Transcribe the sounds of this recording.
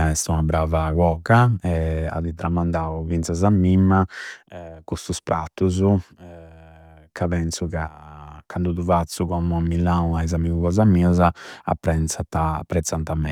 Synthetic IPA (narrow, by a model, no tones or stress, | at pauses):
aɛst̪unabɾavaɣɔkaɛa̰ðit̪ɾamand̪aːuvint̪sazamːimːa | kust̪uspɾat̪ːuzu | kʰaβɛnsukakand̪uðuvat̪sukɔmuamilauajzamiɣuɣɔzamiːɔzaa̰pːɾɛnt̪sat̪apːɾɛt̪sːant̪amːɛ